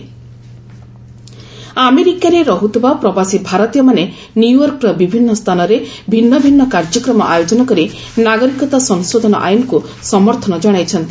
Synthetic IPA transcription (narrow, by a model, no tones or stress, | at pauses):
ameɾikaɾeɾɔɦut̪ʰibapɾɔbasibʱaɾɔt̪ijɔmane | njujɔɾkɾɔbibʱinːɔst̪ʰanɔɾebʱinːɔbʱinːɔkaɾd͡ʒɔkɾɔmɔʔajod͡ʒɔnɔkɔɾi | naɡɔɾikɔt̪asɔŋsod̪ʱɔnɔ̰ʔajnɔku | sɔmɔɾt̪ʰɔnɔd͡ʒɔɽ̃ajt͡ʃʰɔnt̪i